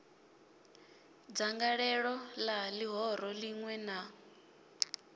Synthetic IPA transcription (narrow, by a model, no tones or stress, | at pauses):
d͡zaŋɡaɺɛɺɔlaliɦɔɾɔliŋwɛna